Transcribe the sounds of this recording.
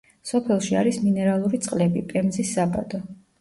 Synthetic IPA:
sɔpʰɛlˠʃiaɾisminɛɾalˠuɾit̪sʼqʼlɛbipʼɛmzisːaba̰d̪ɔ

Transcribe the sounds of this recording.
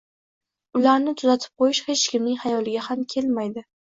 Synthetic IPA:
ʊlaɾnɪt̪ʰʊzat̪ʰɪ̥p̚qʰojɪʃhe̞t͡ʃkʲɪmnɪŋʲhajɒlɪɡʲahamkʲʰe̞lmajd̪ɪ

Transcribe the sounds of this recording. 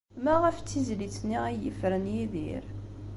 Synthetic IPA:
mæʁəft͡sːizlit͡sːniʁæjə̰fɾənjiðḭɾ

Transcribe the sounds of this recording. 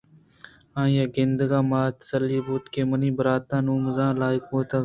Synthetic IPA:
ãːjaːɡɪnd̪ɡaːmaːt̪səlːiːbuːt̪keːməniːbəɾaːt̪ãːnuːmzãːlaːɪkoːt̪a

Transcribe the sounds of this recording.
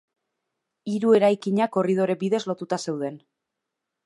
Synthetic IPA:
iɾue̞ɾajkiɲako̞rið̞o̞ɾe̞biðe̞zlo̞t̪ut̪ase̞wðe̞n

